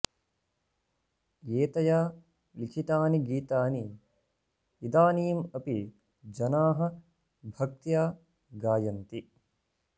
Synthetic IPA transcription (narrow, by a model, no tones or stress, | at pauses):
jeːt̪ɐjaː | likʰit̪aːniɡiːt̪aːni | id̪aːniːmɐpi | d͡ʒɐnaːɦɐ̆ | bʱɐk̚t̪jaː | ɡaːjɐnt̪i